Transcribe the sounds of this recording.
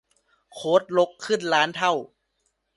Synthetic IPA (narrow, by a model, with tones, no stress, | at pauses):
kʰoː˦˥t̪̚lo˦˥kʰːɯ˥˩nlaː˦˥nt̪ʰa˥˩w